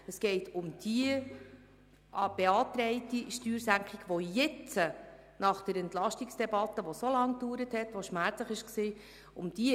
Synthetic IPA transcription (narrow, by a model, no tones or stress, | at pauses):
əsɡ̥ɛɪtʰʊmd̥iə | b̥eɑːt̪ɾɛɪtiʃtyːɾsæŋkχɪɡʋojɪt͡sə | nɑχd̥əɾɛntlɑʃtiksd̥ɛbɑtːəʋosolɑŋd̥uːɾəthɛt̪ʋoʃmæɾt͡sləχɪʃksiː | ʊmd̥i